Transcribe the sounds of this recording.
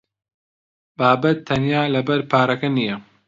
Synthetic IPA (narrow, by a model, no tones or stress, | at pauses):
baːbɐt̪ʰːɐnjaːlɐbɐɾpʰaːɾɐkɐnijɐ